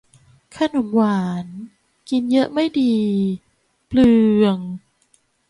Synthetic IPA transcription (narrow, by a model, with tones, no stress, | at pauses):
kʰa˧˥˩no˩˦mwaː˩˦n | ki˧njɤ˦˥ʔma˥˩jdiː˧ | plɯː˧əŋ